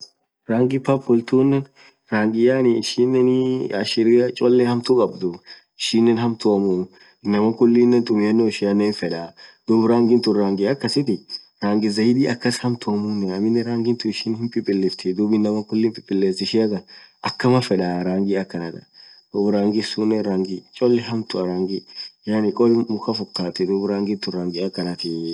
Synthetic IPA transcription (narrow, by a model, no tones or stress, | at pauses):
ɾaːŋɡɪpɐpːɔlt̪uːnːɛn | ɾaːŋɡɪjanɪɪʃiːnːɛnɐ̰ʃɪɾɪɐt͡ʃʼɔlːɛhɐmt̪ukʼɐbd̪ʊ | ɪʃinːɛnɦɐmt̪ʊɐmun | ɪnːɐmɐkʊlːiːnːɛnt̪ʼʊmɪjɐnːoɪʃɪɐnːeːnfɛᶑaːd̪̥ubɾaːŋɡɪnt̪ʊɾaːŋɡɪɐkːɐsɪt̪ɪ | ɾaːŋɡɪzɐjɪd̪iːɐkːɐshɐmt̪ʊɐmʊnːɛɐmːɪnːɛɾaːŋɡɪnt̪ʊɪʃɪnhɪmpʼɪpʼːɪlːɪft̪ʰɪd̪uːbɪnːɐmɐkʊlːɪːmpʼɪpʼːɪlːeːsɪʃɪɐɡɐʔɐkːɐmɐfɛᶑaɾaːŋɡɪɐkːɐnɐt̪ɐ̥d̪̥uːbɾaːŋɡɪsunːɛɾaːŋɡɪt͡ʃʼɔlːɛɦɐmt̪ʊɐɾaːŋɡɪjanɪkʼɔlɪmʊxɐfɔkːaːt̪ɪd̪uːbɾaːŋɡɪnt̪ʊraːŋɡɪɐkːɐnɐt̪ɪ